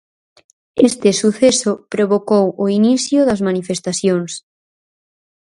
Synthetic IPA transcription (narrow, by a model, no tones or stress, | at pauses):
est̪ɪsuθesʊpɾoβokowʊiniθjʊðɐzmanifest̪aθjoŋs